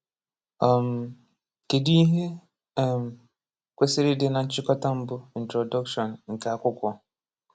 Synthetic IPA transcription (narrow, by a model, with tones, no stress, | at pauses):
a˨m̩˨ | ke˨di˦ɦe˦˨ | m̩˨ | kʷe˦sɪ˦ɾɪ˦dɪ˦na˨n̩˦t͡ʃɪ˦kɔ˦ta˦m̩˦bʊ˦i˨n̩˨tɾɔ˨dɔ˦kʃɔ˨n˨ŋ̩˨ka˨a˦kʷʊ˦kʷɔ˦